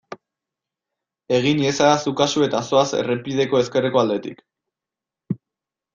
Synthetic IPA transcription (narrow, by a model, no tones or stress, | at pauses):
e̞ɣ̞iniesaasukasue̞t̪aso̞asḛrepið̞e̞ko̞e̞ske̞reko̞ald̪e̞t̪ḭk